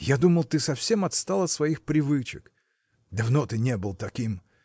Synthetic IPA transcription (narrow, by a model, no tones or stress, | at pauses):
jad̪uməlˠt̪ɨsɐfsʲe̞mɐt̪st̪alˠɐt̪svɐixpɾʲɪvɨt͡ɕɪ̰k | d̪ɐvnot̪ɨnʲebɨlˠt̪ɐkʲim